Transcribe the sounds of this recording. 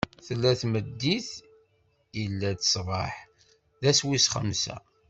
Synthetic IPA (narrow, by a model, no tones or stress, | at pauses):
θəlːæθməd̪ːiθ | ilːæt̪sˤvˤɑħ | ðæswisχə̰msæ̰